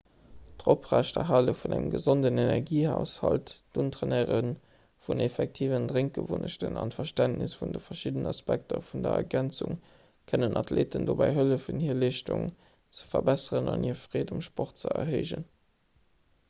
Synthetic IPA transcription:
d̥ʁopʁæːʃtɐɦaːləfunæŋəmɡəzondənenɛʁɡiːhæʊshɑltd̥untʁeneːʁən | funefɛk̚tʰiːvəndʁeŋk̚ɡ̥əvunəʃtənɑntfɐʃtæntnɪsfundəfɐʃidənɑspæk̚tɐfundɐɛɡænt͡sṵŋ | kʰənənʔɑtʰleːtəndobæɪɦələfənhiːɐleːʃtuŋ | t͡sə̥fɐbæsəʁənɑniːɐfʁ̥eːdumʃpɔχt̚t͡səɐɦɜɪʒən

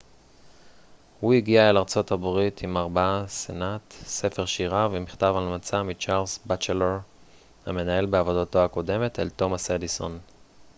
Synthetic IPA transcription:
huiɡiaelaʁt͡so̞tabʁitʰimaʁbaasenatse̞fe̞ʁʃiʁavemiχtavalmat͡samit͡ʃaʁlzbat͡ʃeleʁ | ha̰me̞nae̞lbeavo̞dato̞ako̞de̞metḛlto̞mased̪iso̞̰n

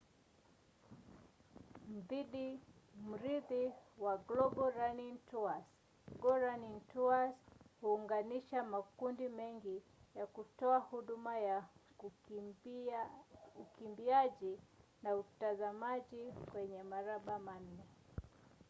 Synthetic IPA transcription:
m̩ðiɗim̩ɾiðiwaɡlɔɓɔɾanintuas | ɡɔɾanintuashuːŋɡaniʃamakundimɛŋɡijakutɔahuɗumaja | ukimbiaʄinautazamaʄikwɛɲɛmaɾaɓamannɛ

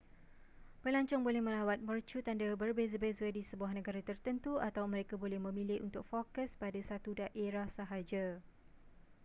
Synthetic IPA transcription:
bəlaɲt͡ʃɔŋbolɛhmə̃lawat̪̚mərt͡ʃut̪andabərbezəbezadisəbuahnə̃ɡaɾat̪ərt̪ənt̪uat̪awmə̃ɾekabolɛhmə̃mĩlɪunt̪ʊk̚fokəspadasat̪udaʔeɾahsəɦad͡ʒa

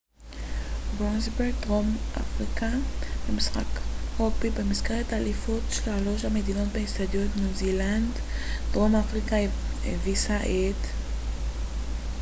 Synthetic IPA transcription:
bʁozbeʁɡ̚t̪ʁomʔa̰fʁikabemisχa̰kʁopibemiskeʁet̪alifotʃelalo̞ʃhamed̪ino̞t̪̚behist̪ad̪jot̪nuziland | dʁo̞mafʁikaḛvisaʔet̪

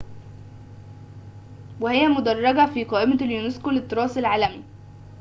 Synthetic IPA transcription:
wɪhɪjːæmʊd̪ɑrˤːɑɡæfiːqɑːʔɪmæljuneskolɪt̪ːɨɾˤɑːsɪlʕaːlæmi

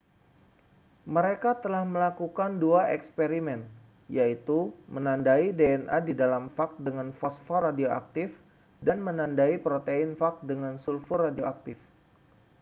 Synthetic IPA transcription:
məɾekat̪əlahməlakukanduaʔɛkspeɾimɛn | jait̪umənandaideɛnʔadidalamfak̚t̪̚dəŋanfɔsfɔradioʔa̰k̚t̪ɪf | danmənandaipɾot̪einfak̚t̪̚dəŋansulfuradioak̚t̪ɪf

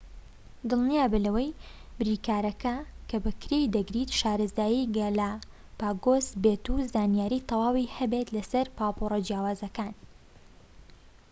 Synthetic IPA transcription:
d̪ɨlˠnijaːbɨlɐwɐjbɾiːkaːɾɐkɐkʰɐbɐkɾejd̪ɐɡɾit̪ʃaːɾɨzd̪aːjiɡɐla | paːɡoːsbet̪uzaːnjaːɾiːt̪ʰɐwaːwihɐbet̪lɐsɐɾpaːporˤɐd͡ʒjaːwaːzɐkaːn

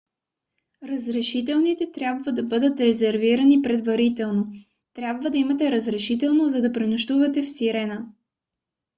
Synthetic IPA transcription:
ɾɐzɾɛʃit̪ɛlˠnit̪ɛt̪ɾʲjabvəd̪ɐbɤd̪ət̪ɾɛzɛɾviɾɐnipɾɛd̪vɐɾit̪ɛlˠno | t̪ɾʲjabvəd̪ɐimɐt̪ɛɾəzɾɛʃit̪ɛlˠnozɐd̪ɐpɾinʊʃt̪uvɐt̪ɛfsiɾɛnə

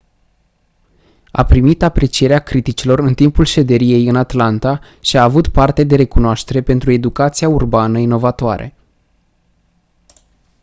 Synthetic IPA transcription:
a̰pɾimit̪apɾe̞t͡ʃije̞ɾeakɾit̪it͡ʃilo̞ɾɨnt̪impulʃe̞d̪e̞ɾije̞jɨnat̪lant̪a | ʃiaːvut̪part̪e̞d̪e̞ɾe̞kunoaʃt̪e̞ɾe̞pe̞nt̪ɾue̞d̪ukat̪sijaurbanəino̞vat̪oa̰ɾḛ

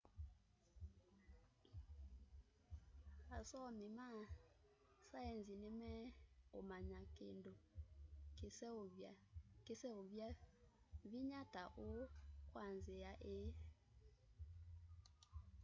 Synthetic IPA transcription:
asɔmima | saɛnzinɛmɛomaɲakendo | kesɛovja | viɲataʔokwanzejaʔe

